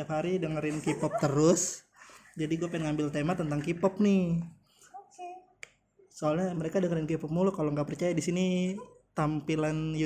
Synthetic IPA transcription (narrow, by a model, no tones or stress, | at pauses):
aphaɾidəŋəɾɪnkipɔp̚t̪əɾʊs | d͡ʒadiɡuapaɪnŋambɪlt̪emat̪ənt̪aŋkipɔp̚nɪ | soalɲaməɾekadəŋəɾɪnkipɔp̚mulʊkaloŋɡaʔpərt͡ʃajadisinit̪ampilanj